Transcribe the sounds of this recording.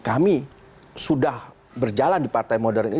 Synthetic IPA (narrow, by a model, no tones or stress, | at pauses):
kami | sudah | bərd͡ʒalandipart̪ajmodɛrni